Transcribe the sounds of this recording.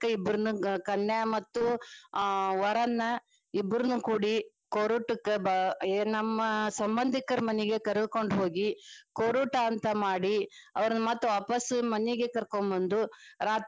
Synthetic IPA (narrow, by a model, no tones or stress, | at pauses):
kːɐibːɐɾunukɐnːɐmɐt̪ːu | ʋɐɾɐnːɐ | ibːɾɐnukuːɽi | koɾuʈːukːebnɐmːɐsɐmbɐnd̪ʱikɐɾɐmɐnɛɡe̞kɐɾɛd̪uko̞ɳɖɦo̞ːɡikoɾuʈɐːnt̪ɐmaːɽiɐʋɐɾɐnɐmaːt̪ːuʋaːpɐsmɐniɡekɐɾkombɐnd̪uɾaːt̪